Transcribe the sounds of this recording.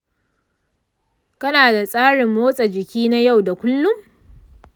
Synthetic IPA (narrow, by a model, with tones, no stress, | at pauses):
kɐ˦naː˨da˨sʼaː˦ɽɪ˨mːoː˦sʼa˨d͡ʒɪ˨kʲiː˦na˦ja˦˨wda˨kʷʊ˦lːʊ˦m